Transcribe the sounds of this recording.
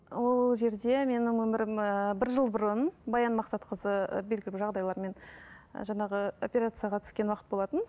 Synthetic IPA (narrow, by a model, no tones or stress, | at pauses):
wo̞lˠʒe̞ɾd̪e̞me̞nɪŋwɵmɪɾɪməbɪɾʒəlˠbʊɾənbɑjɑnmɑqsɑt̪qʰəzə̰be̞lɡʲɪlɪʒɑʁd̪ɑjlˠɑɾme̞n̰ʒɑɴɑʁəo̞pʲeɾat̪sɨijaʁɑt̪ʰʏ̥skʲe̞nwɑqət̪bo̞lˠɑt̪ən